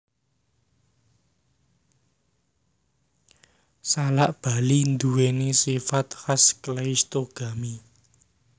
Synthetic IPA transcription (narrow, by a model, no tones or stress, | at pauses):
salaʔb̥a̤lind̪uwenesifat̪hasklajst̪oɡ̥a̤mi